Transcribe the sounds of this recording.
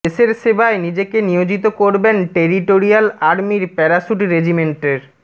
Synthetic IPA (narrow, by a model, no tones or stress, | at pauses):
eʃeɾʃebaenid͡ʑekenijod͡ʑit̪okoɾbenʈeɾiʈoɾialaɾmiɾpɛɾaʃuʈiɾed͡ʑimeɳʈeɾ